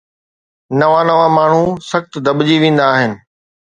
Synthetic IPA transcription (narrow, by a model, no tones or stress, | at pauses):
nɐʋãːnɐʋãːmaːɳ̤ũsɐxt̪d̪ɐɓd͡ʑiʋẽːn̆d̪aːɦɪnɪ̆